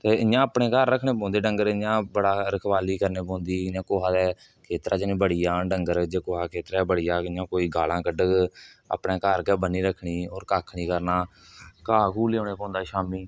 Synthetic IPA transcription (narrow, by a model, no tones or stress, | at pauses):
t̪eːɪãːəpɳeːkaɾːəkʰɳeːpõːnd̪eːɖəŋɡəɾɪjãːbəɽaːɾəkʰʋaːliːkəɾneːpõːnd̪iːɪãːkoːɦaːd̪ɛː | kʰeːt̪ɾʔaːt͡ʃnĩːbəɽiːaːɖəŋɡəɾd͡ʒeːkoːɦaːkʰeːt̪ɾaːbəɽijaːjãːkoːiːɡʱaːlãːkəɖəə̰pɳeːkaːɾkɛːbənːiːɾəkʰːɳiːoːɾkaːkʰɳiːkəɾnaː | kaːkuːleːoːneːpɔ̃ːnd̪aːʃaːmiː